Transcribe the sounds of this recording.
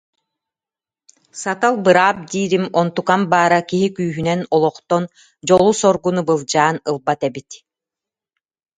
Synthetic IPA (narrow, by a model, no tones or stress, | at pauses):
sat̪alˠbɯɾaːp̚d̪iːɾimɔnt̪ukambaːɾakiɦikyːɦynɛnɔlˠɔχt̪ɔn | d͡ʑɔlˠusɔɾɡunubɯlˠd͡ʑaːnɯlˠbat̪ɛbit̪